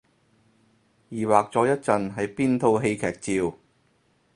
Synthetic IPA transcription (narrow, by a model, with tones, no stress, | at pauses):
jiː˨˩waː˨k̚t͡sɔː˨˧˥jɐ˥t̚t͡sɐ˨nɦɐ˨jpiː˥nt̪ʰo˧wɦe˧jkʰɛː˨˩k̚t͡siː˧w